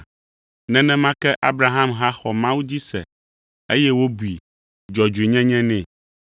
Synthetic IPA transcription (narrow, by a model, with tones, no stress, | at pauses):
nɛ̃˦nɛ̃˦mã˦kɛ˦ʔa˦bɾa˨ɦã˦mɦa˦xɔ˨mã˦wu˦d͡ʑi˦sɛ̰˨ | ḛ˦jɛ˦wo˦bu˨i˨ | d͡ʒɔ˨d͡ʒu˨e˨ɲɛ̃˦ɲɛ̃˦nɛ̃˨